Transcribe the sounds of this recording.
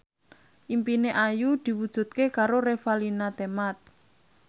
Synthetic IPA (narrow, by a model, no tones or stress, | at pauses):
ʔimpineʔajud̪̥i̤wud̥ʒ̥ṳt̪̚kekaɾoɾefalinat̪emat̪̚